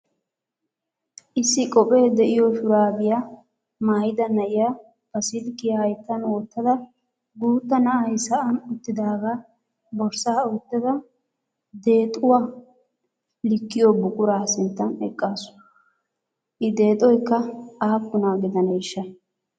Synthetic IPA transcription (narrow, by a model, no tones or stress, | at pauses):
ʔɪsːɪkʼɔpʼe̞ːd̪ɛʔɪjɔʃʊɾaːbɪja | maːjɪd̪ɐnɐʔɪja | bɐsɪlkːɪjɐhɐjt̪ːɐnwɔːt̪ːɐd̪ɐ | ɡuːt̪ːɐnɐɐjsɐʔɐnʊt̪ːɪd̪aːɡaː | bɔɾsaːʊt̪ːɪd̪ɐ | d̪e̞ːt̪ʼʊwaː | lɪkːɪjoːbʊkʼʊɾaːsɪnt̪ːɐnɛkʼːaːsʊ̥ | ʔɪd̪e̞ːt̪ʼɔjkːɐaːkːʊnaːɡɪd̪ɐneːʃːɐ